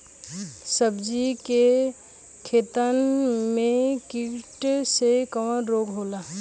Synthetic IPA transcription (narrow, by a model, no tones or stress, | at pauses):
səbd͡ʒike | kʰeːt̪ənmẽkiʈsekəwənɾoːɡɦoːlaː